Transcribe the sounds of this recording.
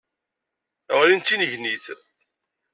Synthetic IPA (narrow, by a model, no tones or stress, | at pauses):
ʁɾint̪ːinəʝniθ